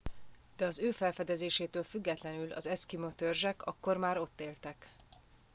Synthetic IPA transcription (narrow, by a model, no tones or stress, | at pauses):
d̪̥ɛɒzøːfɛlfɛd̪ɛzeːʃeːt̪øːlfyɡːɛt̪lɛnylɒ̰zɛskimot̪ørʒɛkɒkːo̞rmaːɾo̞t̪ːeːlt̪ɛk